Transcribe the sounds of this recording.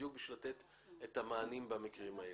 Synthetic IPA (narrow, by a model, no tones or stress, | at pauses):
juk̚biʃvilat̪et̪ | et̪hamaːnimbamikʁimae